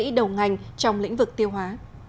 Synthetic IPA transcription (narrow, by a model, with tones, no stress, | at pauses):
ḭ˧˥ɗə˨˩wŋa˨˩jŋ̟t͡ɕɔ˧wŋ͡mlḭ˧˥ŋ̟vɨ˨˩k̚t̪i˧əwɦwaː˨˦